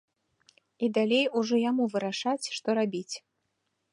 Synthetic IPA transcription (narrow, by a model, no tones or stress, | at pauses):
id̪alʲejuʐɔjamuvɨɾaʂat͡sʲʂt̪ɔɾabʲit͡sʲ